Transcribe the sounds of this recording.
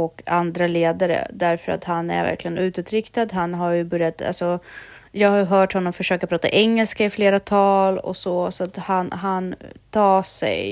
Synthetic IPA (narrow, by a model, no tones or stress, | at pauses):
ɔkand̪ɾaleːd̪aɾə̰d̪æɾfœɾa̰t̪hanæ̰ɾvæ̰ɾklɪɡənʉ̟ːt̪ʉt̪ɾɪkt̪ad̪ɦanɦajɵbɵɾjat̪a̰lsɔ | jɑːɡhajɵɦœːʈhɔnːɔmfœʂøːkapʰɾɑːt̪a̰ʔɛŋːɛlskaɪfleːɾat̪ʰɑːlɔ̰sɔsɔat̪hanɦant̪ʰɑːsɛ̰j